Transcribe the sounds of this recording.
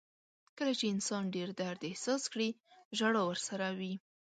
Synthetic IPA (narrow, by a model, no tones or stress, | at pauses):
kəlat͡ʃeɪnsɑnɖeɾd̪aɾd̪ehsɑskɽiʒaɽowəɾsaɾawi